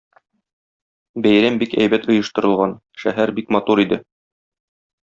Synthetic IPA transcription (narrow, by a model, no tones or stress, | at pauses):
bæjɾæmbikæjbæt̪ŏjɤ̆ʃt̪ɤ̆ɾɤ̆lˠʁɑn | ʃæ̰ɦæɾbikmɑt̪uɾid̪ɘ